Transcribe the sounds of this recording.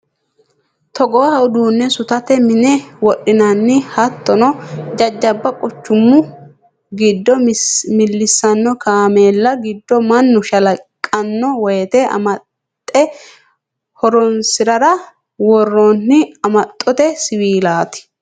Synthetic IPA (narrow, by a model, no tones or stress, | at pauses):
t̪ɔɡɔwɐhɐʊd̪uːnːɛsʊt̪ɐt̪ɛmɪnɛwɔʔɪnɐnːɪhɐt̪ːɔnɔd͡ʒɐd͡ʒːɐbːɐkʼɔt͡ʃːʊmːʊ | ɡɪd̪ːɔmɪlːɪsːɐnːɔkaːmeːlːɐɡɪd̪ːɔmɐnːʊʃɐlɐkʼːɐnːɔwɔjɛt̪ɛʔɐ̰mɐ | t̪ʼːɛ | hɔɾɔnsɪɾɐɾɐ | wɔrːonːɪɐmɐt̪ʼːɔt̪ɛsɪwiːlaːt̪ɪ̥